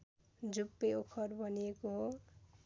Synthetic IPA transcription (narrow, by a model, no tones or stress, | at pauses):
d͡zupːeokʰʌɾbʱʌnijekoɦo